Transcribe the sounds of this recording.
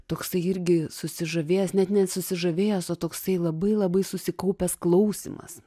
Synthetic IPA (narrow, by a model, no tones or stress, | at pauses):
t̪oːksɐɪɪɾʲɡʲɪsʊsʲɪʒɐʋʲeːjɛsnʲɛt̪nʲɛsʊsʲɪʒɐʋʲeːjosoːt̪oːksɐɪlˠɐbɐɪlˠɐbɐɪsʊsʲɪkɐʊpʲɛsklˠɐʊsʲḭmɐ̰s